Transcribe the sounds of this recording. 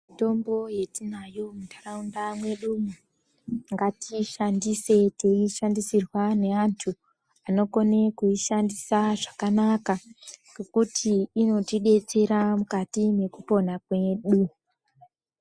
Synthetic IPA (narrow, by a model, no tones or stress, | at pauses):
mmito̞mbo̞je̞tinajo̞mudaraundamwe̞ɗumu | ŋɡatiʃandise̞teiʃandisirwane̞antʰu | ano̞ko̞ne̞kuiʃandisaʐakanakaɡekutʰiːno̞tiɗe̞t͡se̞ɾamukatine̞kupo̞nakwe̞ɗu